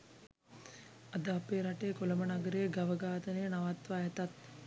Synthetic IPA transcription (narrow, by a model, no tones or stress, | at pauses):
ad̪əapeːɾaʈekolɐmənaɡəɾeɡaʋəɡaːt̪ənejnaʋat̪ʋaɛt̪at̪̚